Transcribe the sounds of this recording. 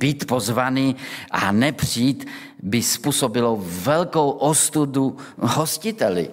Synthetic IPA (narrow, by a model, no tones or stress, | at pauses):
b̥iːt̪pozvaniːʔanɛpr̥iːt̪ | bɪspuːsobɪlovɛlkowʔost̪ud̪uɦoscɪt̪ɛlɪ̰